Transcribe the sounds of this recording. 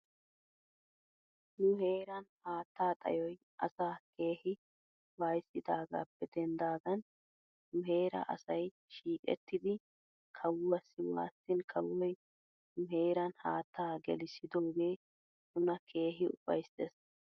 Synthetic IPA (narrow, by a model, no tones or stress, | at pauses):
nʊhe̞ːɾɐnhaːt̪ːaːt̪ʼɐ̰jɔj | ʔɐ̰saːkʰe̞ːhɪ | waːjsːɪd̪aːɡa̰ːpːɛd̪ɛnd̪aːɡ̪ɐn | nʊɦe̞ːɾɐ̰ʔɐ̰sɐj | ʃiːkʼɛ̰t̪ːɪd̪ɪ | kʰɐwɐsːɪwa̰ːsːɪnkʰɐwːɔj | nʊɦe̞ːɾɐnhaːt̪ːaːɡɛlɪsɪd̪o̞ːɡe̞ː | nʊnɐkʰe̞ːɦɪʊ̰fɐ̰jsːeːs